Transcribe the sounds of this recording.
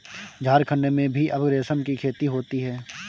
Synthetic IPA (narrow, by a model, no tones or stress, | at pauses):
d͡ʒʱaːɾkʰənːemẽbʱiʔɐbɡɾeːsəmkikʰeːt̪iɦoːt̪iɦɛː